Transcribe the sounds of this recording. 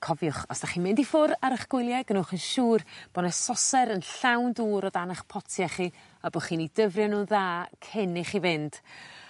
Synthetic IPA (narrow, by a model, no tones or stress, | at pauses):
kʰɔvjʊχɔ̰sd̥aχiːnmɪndifʊɾaɾəχɡ̥wɪlˠjaɡənuχənʃuːrb̥ɔnɛsɔsɛɾənɬawnduːɾɔdanaχpʰɔtʰjaχi | abɔχiːnidəvrjɛnuðaːkʰɛnɪχivɪnd̥